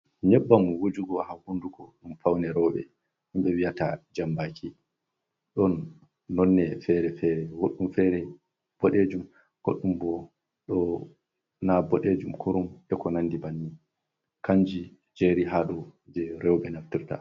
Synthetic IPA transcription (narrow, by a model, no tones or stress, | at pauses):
ɲɛɓːamuwod͡ʒuɡɔhahunduɡɔɗumfawnɛɾɔɓɛ̰ | himɓɛwijata̰d͡ʒambakʰi | ɗɔnː | ɔnːɛfɛɾɛfɛɾɛwoɗːumfɛɾɛ | b̥ɔɗed͡ʒum | ɡ̥o̰ɗːumbɔ | ɗɔ | nabɔɗed͡ʒumkʰuɾumɛkɔnandibanːi | kaɲd͡ʒi | d͡ʒeɾiɦaɗɔd͡ʒɛɾɛwɓɛnaftiɾta̰